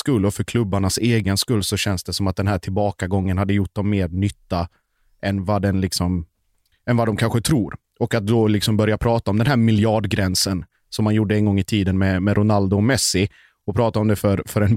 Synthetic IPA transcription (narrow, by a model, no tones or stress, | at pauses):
skɵlːɔfœɾkʰlɵbːaɳaseːɡənskɵlːsɔɕɛnsd̪ɛsɔmat̪̚d̪ɛnɦæːʈʰɪlbɑːkaɡɔŋːənhad̪ːəjʊʈ̚ːd̪ɔmːeːɾnʏt̪ːa | ʔɛnvad̪ɛnlɪksɔm | ɛnvad̪ɔmkʰanɧət̪ʰɾuːɾ | ɔkat̪̚d̪ɔlɪksɔmbœɾjapʰɾɑːt̪aɔmd̪ɛnɦæːɾmɪljɑːɖɡɾɛnsən | sɔmːanjuɖəɛnɡɔŋːɪt̪ʰiːd̪ənmɛmɛɾʔʊnald̪ʊmɛsɪ | ɔpʰɾɑːt̪aɔmd̪ɛfœɾfœɾɛn